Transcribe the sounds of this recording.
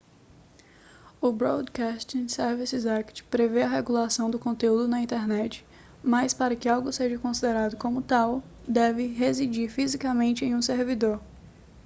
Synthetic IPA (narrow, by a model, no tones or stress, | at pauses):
ʊbɾod̪kast͡ʃ̪ĩsɛɾvisɪzakt͡ʃpɾeveɐɦeɡulasɐ̃w̃d̪ʊkõnt̪eud̪ʊnɐĩnt̪eɾnɛt͡ʃɪ̥ | mɐjspaɾɐkɪawɡʊseʒɐkõsid̪eɾad̪ʊkõmʊt̪aw | d̪ɛvɪɦezid͡ʒiɾfizikamẽnt͡ʃɪẽj̃ũseɾvid̪oɾ